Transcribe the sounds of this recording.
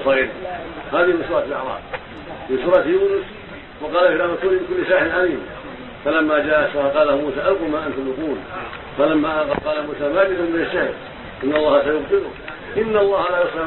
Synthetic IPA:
sɑɣiːɾhaːðɪhɪmɪnsuːɾˤɑt̪lʔɑ̰ʕɾˤɑ̰ːb̚ | mɪnsuːɾˤɑt̪juːnʊs | wɑqɑːlalaːmat̪uːɾimbɪkʊlːɪsaːħɪɪnʔaliːm | falamːad͡ʒaːʔasaqɑːlahmuːsaːʔalqumaʔant̪ʊmlʊquːl | falamːaʔqqɑːlamuːsaːmad͡ʒɪd̪kʊmbɪnaʃːahɪl | ʔɪnːɑlˤːɑːhasajʊbt̪ˤɨlʊk | ʔɪnːalˤːɑːhalaːjʊsˤɪ

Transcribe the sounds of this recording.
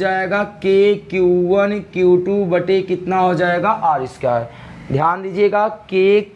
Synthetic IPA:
d͡ʒaːeːɡakeːkjuːʋənkjuːʈubɐʈekɪt̪naɦod͡ʒaːeːɡaʔaːɾɪskjaːɦɛ | d̪ʱjaːnd̪id͡ʒieːɡakeː

